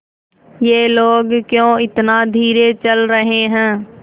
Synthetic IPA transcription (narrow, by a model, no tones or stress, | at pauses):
jeːloːɡkjõːɪt̪nad̪ʱiːɾet͡ʃəlɾəɦeɦɛ̃ː